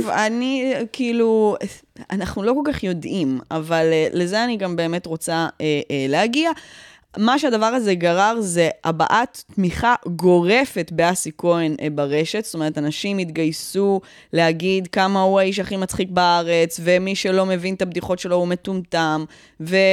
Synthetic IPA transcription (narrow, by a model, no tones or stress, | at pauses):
vanikiːlu | anaχnulo̞ko̞lkaχjo̞dʔimavalːezeaniɡambe̞ːme̞t̪ʁo̞t͡saelehaɡia | maʃeadavaʁaze̞ɡaʁaʁze̞a̰ba̰ʔatːmiχaɡo̞ʁe̞fe̞t̪beasiko̞enbaʁe̞ʃe̞t̪stoeet̪anaʃimit̪ɡajsu | lehaɡidkamauaiʃ̬aχimat͡sχikbaaʁe̞t͡svemiʃelo̞me̞vint̪abd̪iχo̞tʃe̞lo̞ume̞tumtam | ve